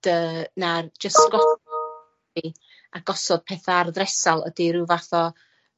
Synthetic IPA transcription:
d̥əːnard͡ʒəsɡ̥ɔθɔ | i | aɡ̥ɔsɔd̥̚pʰeːθarðrɛsalˠə̰diɾuvaθɔ

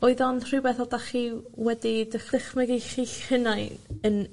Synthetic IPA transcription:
ɔɨðɔnr̥ɨbɛθɔdaχiwɛdidəχlɪχmɛɡejχiənajən

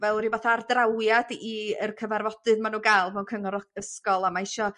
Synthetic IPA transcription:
vɛlˠɾivaθaardrawjadiərkʰəvarvɔd̥ɨðmanuːɡajlˠvɛwnkʰəŋɔɾɔəskɔlˠamaɪʃɔ

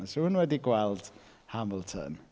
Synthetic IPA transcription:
sɔənwɛdiɡwɛlˠd̥ | haməlˠtʰə̰n

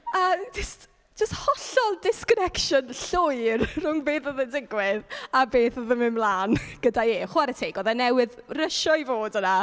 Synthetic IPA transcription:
əd͡ʒəst | d͡ʒ̥əsthɔɬɔlˠdɪskɔnɛkʃɔnɬʊjrrʊŋbeːθɔðəndɪɡwɪðabeːθɔðəmɪmlaːnɡ̥ədaeχʊaɾətʰejɡɔðɛnɛwɪðrəʃɔivoːdəna

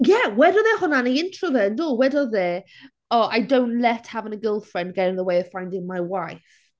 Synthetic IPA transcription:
jɛwɛdɔðɛhʊnanəjɪ̃ntʰɹɔðɛəndɔwɛdɔðɛ | ɔʔajdõʊ̃ntlɛthavə̃nəɡɪlˠfɹɛ̃nd̚ɡɛɾɪ̃ŋðəweɪəv̥fãj̃ndɪ̃ŋmajwajf

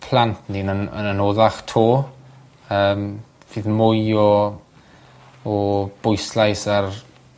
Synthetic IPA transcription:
pʰlˠantʰndiːnənə̰nənoːðaχtʰoː | əːm | siðmʊjɔ | ɔb̥ʊjslˠajsar

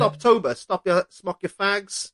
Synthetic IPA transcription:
ɒp̚tʰoʊbəstɒpjəsmʌkjəfaɡz̥

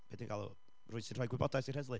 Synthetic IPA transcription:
b̥eːdinɡalˠṵ | rʊːɨsɪnrɔjɡwɪbɔdajsirhɛzlˠɨ

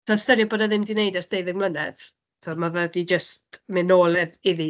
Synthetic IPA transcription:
tʰaːstɛɾjɔboːdaðɪmdɪnejdɛrd̥eɨðəŋmlənɛ̰ð | tʰumavədid͡ʒəstmɪnoːlˠɛðɪði

